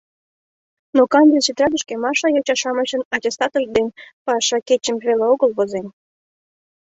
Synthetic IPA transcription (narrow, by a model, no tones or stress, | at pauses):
nokɑnʲd̪eʃyt̪rɑd̪ə̆ʃkemɑʃɑjot͡ɕɑʃɑmət͡ɕənɑtʲest̪ɑt̪ək̚d̪enpɑʃɑket͡ɕəmβeleoɣəlβozen